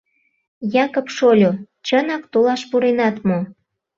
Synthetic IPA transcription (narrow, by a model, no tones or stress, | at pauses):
jɑkopʃolʲo | t͡ɕənɑkt̪olɑʃpuɾenɑt̪mo